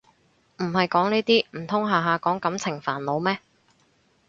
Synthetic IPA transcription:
m̩˨˩hɐ˨jkɔː˨˥ŋniː˥t̪iː˥m̩˨˩t̪ʰʊ˥ŋɦaː˨˧ɦaː˨kɔː˨˥ŋkɐ˨˥mt͡sʰɪ˨˩ŋfaː˨˩nlo˨˧wmɛː˥

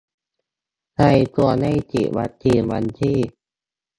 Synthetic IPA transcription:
sa˧˩jt̪u˧əna˧˩˨jt͡ɕḭ˨˩wa̰˧˦t̪ʰːiː˧˩nwa̰˧nt̪ʰiː˧˥˨

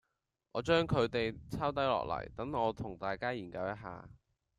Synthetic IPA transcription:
ŋʔɔː˨˧t͡ʃœː˥ŋkʰɵ˨˧ɥt̪e˨jt͡sʰaː˥wt̪̬ɐ˨˥jlɔ̰ː˨k̚lɐ̰˨˩jt̪ɐ˨˥ŋɔː˨˧t̪ʰʊ˨˩ŋt̪aː˨jkaː˥jiː˨˩nkɐ˧wjɐ˥t̚ɦa̰ː˧

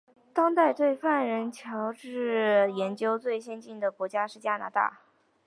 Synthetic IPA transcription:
t̪ɑ˥ŋt̪a˥˧ɪt̪we˥˧ɪfa˥˩nɻə˧˥nt͡ɕʰjɑ˧˥ʊʈ͡ʂɻ̩˥˩jɛ˧˥nt͡ɕjo˥ʊt͡swe˥˩ɪɕjɛ˥nt͡ɕi˥˩nd̪ə˩kwɔ˧˥t͡ɕja˥ʂɻ̩˥˩t͡ɕja˥na̰˧˥t̪a̰˥˩

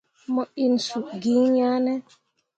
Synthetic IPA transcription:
mɔ˨ʔi˨n˨su˨ɡi˨˦ŋɲa˦nɛ˦

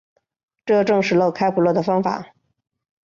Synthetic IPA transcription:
ʈ͡ʂɤ˥˧ʈ͡ʂɤ˥˧ŋʂɻ̩˥˩lo˥˧ʊkʰa˥ɪpʰu˨˩lwɔ˥˩d̪ə˩fɑ˥ŋfa̰˨˩˦

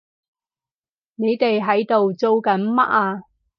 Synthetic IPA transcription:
ne˨˧jt̪e˨jɦɐ˨˥jt̪o˨wt͡so˧wkɐ˨˥nmɐ̰˥ʔ̚aː˧

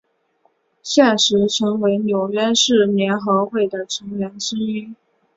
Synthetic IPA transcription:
ɕjɛ˥˩nʂɻ̩˧˥ʈ͡ʂʰɤ˧˥ŋwe˧˥ɪnjo˨˩ʊɥɛ˥ʂɻ̩˥˩njɛ˧˥nxɤ˧˥xwe˥˩ɪd̪ə˩ʈ͡ʂʰɤ˧˥ŋɥɛ˧˥nʂ̩˥y˥

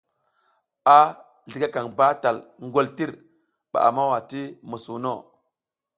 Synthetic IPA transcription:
a˦ | ɮi˨ɡa˦ka˨ŋba˦ta˨lŋ˦ɡo˦lti˦ɾ | ɓa̰˨ʔa̰˨ma˦wa˨ti˦mu˨su˨no˦˨

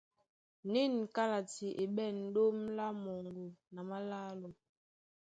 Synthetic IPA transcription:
ni˦˨nka˦la˨ti˨ʔe˨ɓɛ˦˨n̩˦do˦mla˦mo˨ŋɡo˨na˨ma˦la˦lo˨

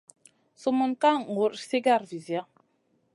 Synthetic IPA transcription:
so˦mɔ˨nka˦ŋ˨ɡu˨ɾsi˦ɡa˦˨ɾvi˨zja˦

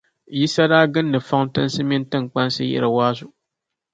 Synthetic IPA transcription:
ji˦sa˦daː˦ɡɨ˦nːɨ˨fɔ˦ŋ˦tɨ˦nsɨ˦mi˦ntɨ˦ŋ˨k͡pa˦n˦sɨ˦jɛ̰˦ɾɨ˨waː˦zʊ˨

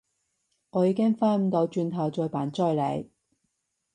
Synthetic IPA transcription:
ŋɔː˨˧jiː˨˧˥kɪ˥ŋfaː˥nm̩˨˧t̪o˨˧wt͡ʃyː˧nt̪ʰɐ˨˩wt͡sɔː˧jpaː˨˥nt͡sœː˥˧jlḛ˨˧j

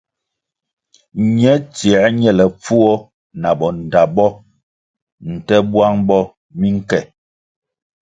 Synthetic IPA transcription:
ɲɛ˦t͡sjɛ˨˦ɲɛ˦lɛ˨p͡fu˦ɔ˦ | na˨bɔ˨n̩˨da˨bɔ˦ | n̩˨tɛ˦bwa˦ŋbɔ˦ | mi˦ŋ̩˦kɛ˨

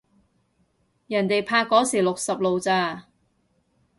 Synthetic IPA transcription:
jɐ˨˩nt̪e˨jpʰaː˧kːɔː˨˥siː˨˩lʊ˨k̚sɐ˨p̚lo˨wt͡saː˧

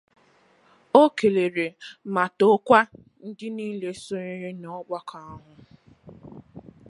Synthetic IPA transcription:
o˦ke˨le˨ɾe˨ma˨to˦kʷa˦ | n̩˦dɪ˦niː˦le˦so˦ɾe˦ɾe˦nɔ˦ɡ͡ba˦kʰa˦ɦʊ˨

